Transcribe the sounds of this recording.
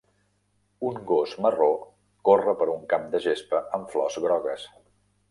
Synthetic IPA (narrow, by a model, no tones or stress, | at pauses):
uŋɡozməro | korəpəɾuŋkamd̪əʒespəʔəɱflɔzɣɾɔɣəs